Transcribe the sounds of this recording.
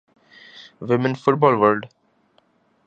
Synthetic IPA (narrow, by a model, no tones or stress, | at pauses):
ʋɪmə̃nfʊʈ̚bɔːlʋəlɖ